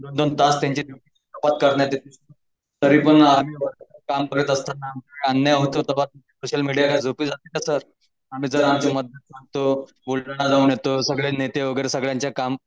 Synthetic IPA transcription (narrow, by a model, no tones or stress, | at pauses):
d̪ond̪ont̪ast̪jaɲt͡ɕiːd͡zʱupit͡ɕit̪əpat̪̚kəɾɳjat̪et̪ʰis | t̪əɾiːpəɳamiːʋəɡakamkəɾet̪əst̪anːaməeənːjaɦot̪ot̪əʋat̪̚umt͡ɕisoɕəlmiɽijakad͡zʱopiːd͡zat̪ik̪asəɾ | am̤iːd͡zəɾamt͡ɕiməd̪ʱət̪̚saŋɡ̚t̪o | bulʈɳ̃ad͡zaunjet̪osəɡɭenet̪eʋəɡəjɾesəɡɭjãɲt͡ɕjakam